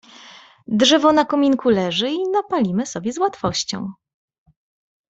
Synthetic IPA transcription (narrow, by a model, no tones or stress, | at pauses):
d̪ʐɛvɔnakɔmʲiŋkulɛʐɘinapalʲimɘsɔbʲjɛzwat̪fɔɕt͡ɕɔ̰̃w̃